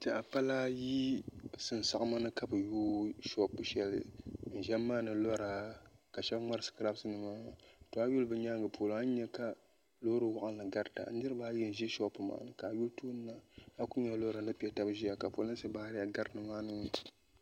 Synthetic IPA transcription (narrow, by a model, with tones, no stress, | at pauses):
ti˨a˨pa˦la˦ji˦sɨ˨n˨sa˨ʔma˦nɨ˦ka˦bɨ˨juː˦ʃɔ˦pːɨ˦ʃɛ˦lɨ̰˨n̩˨ʒɛ˦mː˦aː˦nɨ˨lɔ˦ɾa˨ka˨ʃɛ˦bŋ͡ma˦ɾɨ˦sɨ̥˨kɨ˨ɾa˦bsɨ˦nɨ˨maː˦˨to˨a˦ju˦lbɨ˨ɲa˦ŋɡɨ˨pʰo˨la˦ɲɛ˦ka˦ | lo˦ɾɨ˨wa˦˨ʔa˦n˨lɨ˨ɡa˦ɾta̰˨n̩˦dɨ˦ɾɨ˦ba˦jɛ˦n̩˨ʒi˦ʃɔ˦pːɨ˨ma̰ː˦nɨ˦ka˨ju˦ltoː˦n˦na˦a˦ku˦ɲɛ˦lɔ˦ɾa˨nɨ˦pi˦ɛ˨ta˦bʒi˦a˨ka˨po̰˨lɨ˦sɨ˦baː˦hɾɪ˦ja˨ɡa˦ɾnɨ˨maː˦nɨ˦ŋ˦